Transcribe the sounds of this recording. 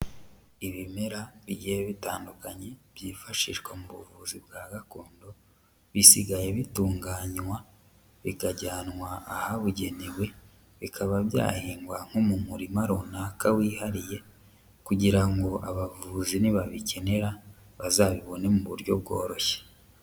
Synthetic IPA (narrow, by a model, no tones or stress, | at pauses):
iβime̞ɾaβiɟijeβitaːndukaɲe̞β̥jiːfaʃiʒɡwemuβuvuzibɡaːɡakoːndo̞ | βisiɡaje̞βituːŋɡaːɲwa | βikaɟaːnŋwaːhaβuɟe̞niβwe̞ | βikʰaβabja̰ːhiːŋɡwaŋ̥homumuɾimaɾunakawiːhaɾije̞ | kuɟiɾaŋɡoʔa̰βavuziniβaβice̞ne̞ɾa | βazaːβiβo̞ne̞muβuɾɟo̞bɡo̞̰ːɾo̞çe̥